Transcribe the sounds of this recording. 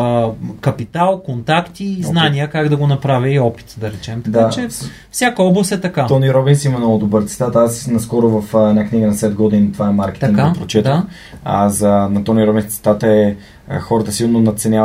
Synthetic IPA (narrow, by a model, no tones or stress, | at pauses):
kɐpit̪alˠkont̪akt̪iznaniəkaɡd̪ɐɡonɐpɾavʲəiɔpi̥t̪d̪ɐɾɛt͡ʃɛmt̪ɐd̪at͡ʃɛ | fsʲjakəɔblˠɐst̪ɛt̪ɐkat̪ɔniɾɔbinsimɐmnɔɡʊd̪obəɾt̪sɛ̥t̪at̪asnɐskɔɾʊvɐfɛd̪nakniɡənɐsɛd̪̚ɡɔd̪int̪ovaɛmaɾkɛ̥t̪iŋɡkapɾot͡ʃɛt̪ | a̰zənɐt̪ɔniɾɔbinst̪sɛ̥t̪at̪əɛ | xɔɾət̪əsilˠnonɐt̪sɛnʲja